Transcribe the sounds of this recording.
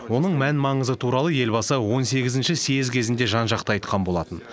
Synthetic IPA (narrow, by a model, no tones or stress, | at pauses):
wo̞nəɴmænmɑɴəzət̪ʰuɾɑlˠəje̞lbɑsəwo̞nse̞ɡʲɪzɪnʃɪseɪzkʲʰe̞zɪnd̪e̞ʒɑnʒɑqt̪əɑjt̪̚qɑnbo̞lˠɑt̪ən